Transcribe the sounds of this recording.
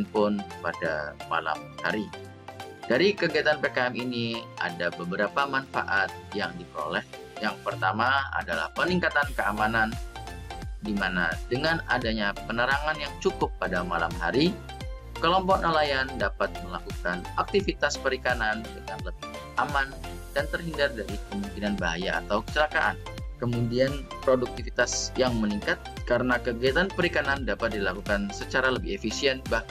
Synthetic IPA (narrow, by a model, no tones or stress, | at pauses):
npʊnpada̰mala̰mha̰ɾi | d̥aɾikəɡiat̪anpekaɛminia̰dabəbəɾapamanfa̰ʔat̪̚jaŋdikɾo̰lɛh | jaŋpərt̪amaa̰dala̰hpəniŋkat̪ankəamanan | dimana̰dəŋana̰daɲapənəɾaŋanjaŋt͡ʃukʊpːadamala̰mɦa̰ɾi | kəlɔmpɔk̚nalajandapat̪̚məlakukanak̚t̪ifit̪aspəɾikanandəŋanləbɪh | ʔaman | d̥ant̪ərɦindardaɾikəmuŋkinanbaɦajaa̰t̪awkə̥t͡ʃəlakaʔa̰n | kəmudianpɾoduk̚t̪ifit̪asjaŋməniŋkat̪̚kaɾənakəɡiat̪anpəɾikanandapat̪̚dilakukansət͡ʃaɾaləbɪefisiɛnba